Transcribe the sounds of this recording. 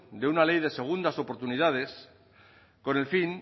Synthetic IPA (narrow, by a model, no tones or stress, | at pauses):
d̪eunalejðe̞se̞ɣ̞und̪aso̞poɾt̪unið̞að̞e̞s | ko̞ne̞lfin